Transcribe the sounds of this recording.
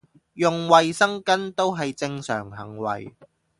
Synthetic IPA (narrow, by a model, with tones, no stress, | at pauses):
jʊ˨˧ŋwɐ˨jsɐ˥ŋkɐ˥nt̪o˥wɦɐ˨jt͡sɪ˧ŋsœ̰ː˨˩ŋɦɐ̰˨˩ŋwɐ̰˨˩j